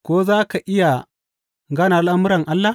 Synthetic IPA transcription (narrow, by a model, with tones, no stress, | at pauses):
ko˦zaː˦ka˨ʔi˦ja˨ | ŋɡa˦na˨a˦la˦mu˦ɾa˨ŋʔa˦lːa˦